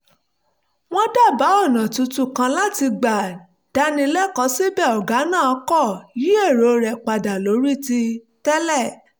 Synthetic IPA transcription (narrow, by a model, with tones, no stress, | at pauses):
w̃ɔ̃˦da˦˨ba˨˦ɔ˦˨nã˨tu˨˧tu˦˨kã˧la˦ti˧ɡ͡ba˨ | d̥a˧˦nĩ˧lɛ˦kɔ˧˦si˦bɛ˦˨ɔ˨ɡa˨˦nãː˦˨ɔ˧˦kɔ˦˨ji˨˦e˦˨ɾo˨˧ɾɛ˨k͡pa˨da˨lo˨˦ɾi˦ti˧ | tɛ˦lɛ˦˨